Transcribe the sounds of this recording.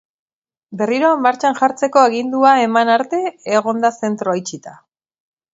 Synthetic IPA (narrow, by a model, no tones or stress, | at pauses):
be̞riɾo̞maɾt͡ʃanʝaɾt͡se̞ko̞aɣind̪uaemanaɾt̪e̞ːɣ̞o̞nd̪ase̞nt̪ɾo̞ajt͡ʃit̪a